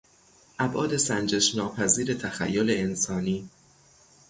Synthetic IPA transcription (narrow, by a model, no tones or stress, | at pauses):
ʔæbʔɒːd̪e̞sænd͡ʒeʃnɒːpʰæziːɾe̞t̪ʰæxæ̰jːole̞ensɒːniː